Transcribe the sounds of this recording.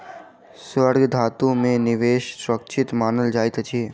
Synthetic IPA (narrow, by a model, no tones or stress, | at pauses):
sʋəɾɡd̪ʱaːt̪ũmẽnɪʋeːʃsʊɾəkt͡ʃʰɪt̪maːnəld͡ʒaːɪt̪t͡ʃʰi